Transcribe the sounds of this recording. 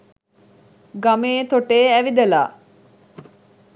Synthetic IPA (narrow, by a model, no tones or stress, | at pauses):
ɡameːt̪oʈeːæʋid̪ela̰ː